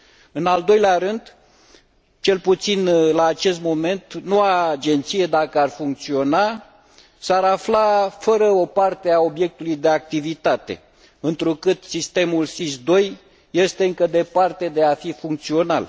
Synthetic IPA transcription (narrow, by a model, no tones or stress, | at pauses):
ɨnald̪o̞jleaɾɨnd̪ | t͡ʃe̞lput̪sinlaːt͡ʃe̞st̪mo̞me̞nt̪noaːd͡ʒe̞nt̪sije̞d̪akəarfuŋk̚t̪sio̞na | saɾaflafəɾəo̞part̪e̞ao̞bje̞k̚t̪ulujd̪e̞ak̚t̪ivit̪at̪e̞̰ | ɨnt̪ɾukɨt̪sist̪e̞mulsisd̪o̞j | je̞st̪e̞ɨŋkəd̪e̞part̪e̞d̪e̞afifuŋk̚t̪sio̞na̰l